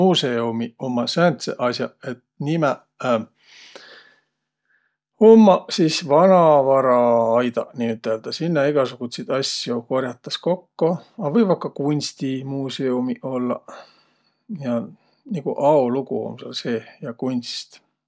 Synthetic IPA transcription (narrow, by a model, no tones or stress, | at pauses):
museumiomːɑsænt̪sḛʔɑsjɑe̞t̪nimɛ | homːɑsiːsvɑnɑvɑɾɑɑjd̪̥ɑ̰niyt̪ːˑeld̪̥ɑsinːɑiɡ̥ɑsuɡ̥ut̪ʲsid̪̥ɑsjoko̞rjɑt̪ːˑɑsko̞kːoɑvɤjvɑkːɑkunʲst̪imuːseumiʔo̞lːɑ̰ | jɑ | niɡ̥uʔɑoluɡ̥uho̰msɑlse̞ːjɑkunʲst̪